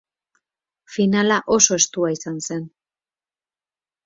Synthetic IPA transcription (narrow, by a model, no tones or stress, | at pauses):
finalaʔo̞so̞e̞st̪uaisanse̞n